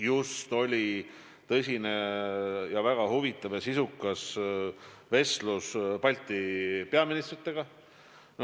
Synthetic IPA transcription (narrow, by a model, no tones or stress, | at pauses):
just̪o̞lʲi | t̪ɤsʲine̞ | jɑvæɡ̥ɑɦuvit̪ˑːɑvjɑsisukːˑɑs | ve̞sluspɑlʲt̪ːˑipe̞ɑminist̪rit̪ˑːe̞ɡ̥ɑ | n